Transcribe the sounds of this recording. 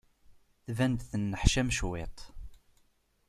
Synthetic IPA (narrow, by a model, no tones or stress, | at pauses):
θvænd̪θənːəħʃæmʃwet̪ˤ